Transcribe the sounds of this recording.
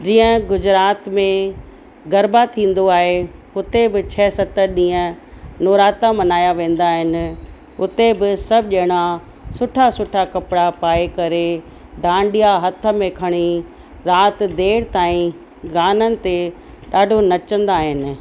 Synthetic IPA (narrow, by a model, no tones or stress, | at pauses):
d͡ʑiːə̃ɡʊd͡ʑɾaːt̪mẽ | ɡɐɾbat̪ʰĩːn̆d̪oaːɦeɦʊt̪ebɪt͡ɕʰɛːsɐt̪əɗĩːə̃ | noːɾaːt̪amɐnaːjaʋẽːn̆d̪aːɦɪnɪ̆ | ʊt̪ebɪsɐbʱʄɐɪɽ̃a | sʊʈʰasʊʈʰakɐpɽapaːekɐɾe | ɖʱãːɳɖijaɦɐt̪ʰə̆mẽkʰɐɽ̃i | ɾaːt̪d̪eːɽt̪aːĩ | ɡaːnənɪ̆t̪e | ɗaːɖʱonɐt͡ɕə̃nd̪aːɦɪnɪ̆